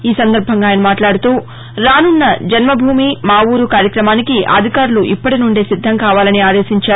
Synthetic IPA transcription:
iːsɐnd̪ɐɾbʱɐŋɡaːjnɐmaːʈlaːɽut̪uː | ɾaːnunːɐd͡ʒɐnmɐbʱuːmimaːwuːɾukaːɾjɐkɾɐmaːnikiʔɐ̰d̪ʱikaːɾuluʔipːɐʈinuɳɖeːsid̪ʱːɐŋkaːʋaːlɐniaːd̪e̞ːsiɲt͡ʃaːu

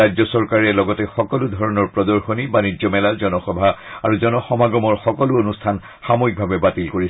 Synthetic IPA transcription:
azɔsɔɹkaɹɛlɔɡɔtɛxɔkɔlud̪ʱɔɹɔnɔɹpɹɔd̪ɔɹxonibaniɔmɛlazɔnɔxɔbʱaa̰ɹuzɔnɔxɔmaɡɔmɔɹxɔkɔluonustʰan | xamoik̚bʱabɛbatilkoɹis

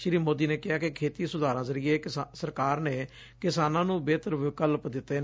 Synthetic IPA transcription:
ʃɪɾiːmoːd̪iːneːkɪɦaːkɪkʰeːt̪iːsʊd̪aːɾãːzəɾiːeːsəɾkaːɾneː | kɪsaːnãːnũːbeːt̪əɾʋɪkəlpd̪ɪt̪ːeː

